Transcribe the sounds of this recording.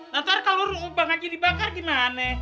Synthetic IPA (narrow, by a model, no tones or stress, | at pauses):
nat̪arkaloɾuubaŋakidibakarɡimanɛ